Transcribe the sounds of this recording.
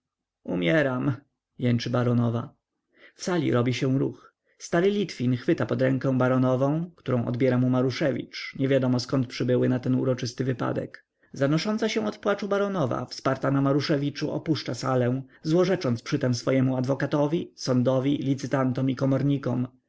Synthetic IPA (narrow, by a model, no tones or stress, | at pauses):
umʲjɛɾam | jɛnt͡ʂɘbaɾɔnɔva | fsalʲḭɾɔbʲiɕɛ̃w̃ɾṵx | st̪aɾɘlʲit̪fʲinxfɘt̪apɔd̪ɾɛ̃ŋkɛ̃baɾɔnɔvɔ̃w̃kt̪uɾɔ̃w̃ʔɔ̰d̪bʲjɛɾamumaɾuʂɛvʲḭt͡ʂɲɛvʲjad̪ɔmɔskɔnt̪̚pʂɘbɘwɘnat̪ɛnṵɾɔt͡ʂɘst̪ɘvɘpa̰d̪ɛ̰k | zanɔʂɔnt̪saɕɛ̃ɔt̪pwat͡ʂubaɾɔnɔva̰fspaɾt̪anamaɾuʂɛvʲit͡ʂuʔɔ̰puʂt͡ʂasalɛ̃w̃zwɔʐɛt͡ʂɔnt̪spʂɘt̪ɛmsfɔjɛmuad̪vɔkat̪ɔvʲisɔnd̪ɔvʲilʲit̪sɘt̪ant̪ɔmikɔmɔɾɲikɔm